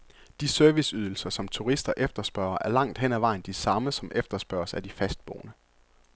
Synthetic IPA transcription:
d̥isøɐʋisyð̞ˠl̩sɐsɒ̽mt͡sʰuʁisd̥ɐʔefd̥ɐsb̥ɶɐɐʔæɐlɑ̈ŋ̰d̥ɦen̰æʋɑ̈ɪnd̥isɑ̈məsɒ̽mʔefd̥ɐsb̥ɶɐsæd̥ifæsd̥̚b̥oːʊnə

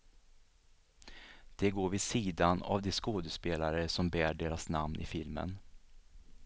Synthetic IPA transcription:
d̪̥ɛɡoːɾvɪd̪siːd̪ana̰vd̪ɛskoːd̪əspeːlaɾəsɔmbæːɖeːɾasnamnʔɪ̰fɪlmə̰n

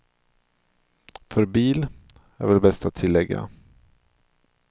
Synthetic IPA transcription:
fœɾbiːl | æ̰ɾvɛlbɛst̪at̪ʰːɪlːɛɡːa̰

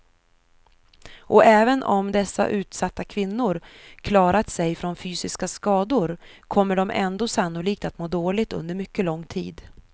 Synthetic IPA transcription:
ʔɔʔɛːvənʔɔ̰md̪ɛsːa̰ʔʉ̟ːt̪sat̪ːakʰvɪnːʊɾkʰlɑːɾat̪sɛjfɾɔnfyːsɪskaskɑːd̪ʊɾkʰɔmːəɖɔmʔɛ̰nd̪oːsanːʊliːk̚t̪at̪moːd̪oːlɪɡ̚t̪ɵ̰nd̪əɾmʏkːəlɔŋːt̪ʰḭːd̪

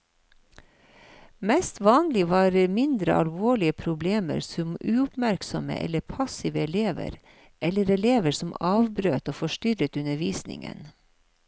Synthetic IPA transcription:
mɛst̪ʋɑːnlɪʋɑːɾmɪnd̪ɾə̰ʔɑlʋoːɭɪəpʰɾʊbleːmə̰ɾsɔmʉːʊpmæɾksɔmə̰ʔɛ̰ləpʰɑsɪʋəɛleːʋə̰ɾ | ʔɛləɾɛleːʋəɾsɔmɑːʋbɾøːt̪oːfɔʃtʏɾət̪ʉnəʋiːsnɪ̰ŋə̰n

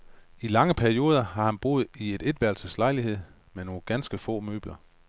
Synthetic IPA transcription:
ilɑ̈ŋəpʰæɐio̝ːð̞ˠɐhɑ̈hænb̥o̝ːð̞̩ˠie̝d̥e̝d̥ʋæɐlsəslɑ̈ɪlihe̝ð̞̰ˠ | meno̝ːnɡ̥ænsɡ̥əfɔ̰ːmø̰ːb̥lɐ

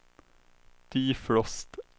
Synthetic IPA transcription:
d̪̥iːflɔst̪

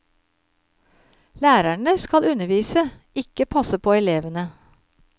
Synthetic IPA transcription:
læːɾæɳəskɑlʉnəʋiːsə | ʔɪkəpʰɑsəpʰoːɛleːʋənə

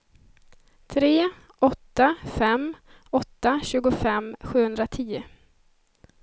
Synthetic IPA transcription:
t̪ʰɾeː | ʔɔt̪ːafɛm | ɔt̪ːaɕʉ̟ːɡʊfɛmːɧʉ̟ːhɵnd̪ɾat̪ʰiːʊ

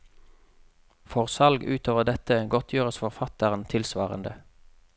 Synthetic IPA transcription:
fɔʁsɑlɡʉːt̪ʰoːʋəʁd̪ɛt̪əɡɔt̪ʰjøːʁəsfɔʁfɑt̪əʁənt̪ʰɪlsʋɑːʁə̰nd̪ə

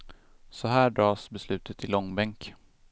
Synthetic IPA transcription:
sɔɦæːɖɾɑːsbɛslʉ̟ːt̪ʰət̪ʰɪlɔŋːbɛŋk

